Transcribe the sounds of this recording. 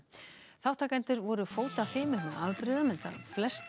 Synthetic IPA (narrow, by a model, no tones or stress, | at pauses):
θawht̪ʰakajnt̪ʏɾvɔɾʏfoːwt̪afɪːmʏɾnaʔavpɾɪðamɛnt̪a̰flɛst̪